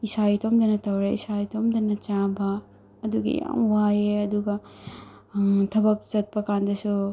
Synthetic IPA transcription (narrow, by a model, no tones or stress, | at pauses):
isajtʰomdɐnɐtɐwɾeisajtʰomdɐnɐt͡ʃabɐː | duɡḭja̰mwajeɐduɡɐ | tʰɐbɐk̚t͡ʃɐt̚pɐkandɐsu